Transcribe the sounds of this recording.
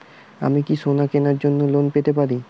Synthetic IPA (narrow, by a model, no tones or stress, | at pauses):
a̰mikiʃonakenaɾd͡ʑonːolonpet̪epaɾi